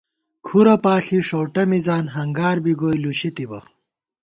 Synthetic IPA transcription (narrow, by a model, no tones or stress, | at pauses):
kʰuɾɐpaːɬiʂowʈɐmizaːnɦɐŋɡaːɾbiɡoːjluɕit̪ibɐ̰